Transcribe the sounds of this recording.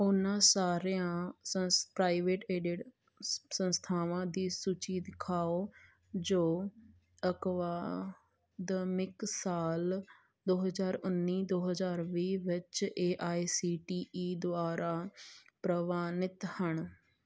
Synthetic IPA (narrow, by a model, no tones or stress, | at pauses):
ʊnãːsaːɾeãːəpɾaːɪʋeːʈeːɖɪɖ | sənst̪ʰaːʋãːd̪iːsut͡ʃiːd̪ɪkʰaːoː | d͡ʒoː | əkʋaː | d̪mɪksaːl | d̪oːɦəzaːɾʊnːiːd̪oːɦəzaːɾʋiːʋɪt͡ʃeːʔaːisiːʈiːʔiːd̪ʊaːɾaːpɾəʋaːnɪt̪həɳ